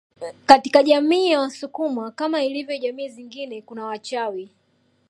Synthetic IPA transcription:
kati̥kaʄamiːjawasukumakamailivjɔʄamiːziŋɡinɛkunawat͡ʃawi

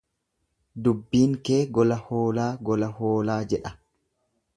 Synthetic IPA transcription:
d̪ʊbːiːŋkeːɡɔlɐhoːlaːɡɔlɐhoːlaːd͡ʒɛᶑɐ

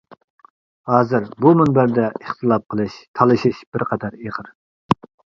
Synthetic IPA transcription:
hɑːzɨɾbumynbæɾd̪ɛəχt̪ʰɨlˠɑp̚qʰəlˠɨʃt̪ʰɑlˠɨʃiʃbɪɾqʰɑd̪ɑɾeʁɨɾ

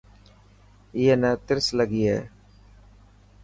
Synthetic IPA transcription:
iːeːnət̪ɪɾsləɡiːɦɛː

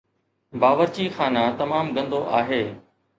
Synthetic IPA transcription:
baːʋəɾt͡ɕiːxaːnat̪ɐmaːmɡɐ̃nd̪oʔaːɦeː

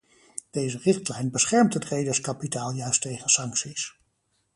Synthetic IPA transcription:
d̥ejzərɪχtlɛjnbəsχɛɹmtɦətrejdəɹskɑpitaːlˠjœɥstejχənsɑŋksis

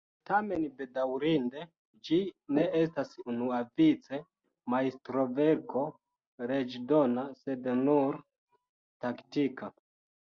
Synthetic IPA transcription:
tame̞nbe̞dawɾinde̞ | d͡ʒine̞ʔes̬tasunuavit͡se̞ | maistɾo̞ve̞ɾko̞ | ɾe̞d͡ʒdo̞nase̞dnuɾ | taktika

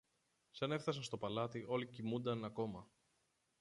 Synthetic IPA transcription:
sɐne̞fθɐs̬ɐst̪o̞pɐlɐt̪iʔo̞licimund̪ɐnɐko̞mɐ

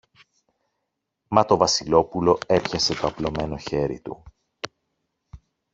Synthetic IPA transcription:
mɐt̪o̞vɐsilo̞pulo̞e̞pçɐse̞t̪o̞ɐplo̞me̞no̞çe̞ɾḭt̪ṵ

